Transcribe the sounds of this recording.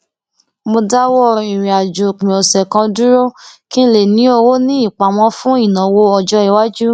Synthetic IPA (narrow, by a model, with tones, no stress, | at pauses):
mo˧da˦wɔ˦ɔ˦˧ɾi˨ɾ̃ĩ˨a˨d͡ʒo˨k͡pĩ˨ɔ˨sɛ˨kã˧du˦ɾo˦kĩ˦le˨nĩ˨˦o˧wo˦nĩ˦i˦˨k͡pa˨mɔ̃˧˦fũ˦i˦˨nã˨wo˧ɔ˧d͡ʒɔ˦i˨wa˦d͡ʒu˦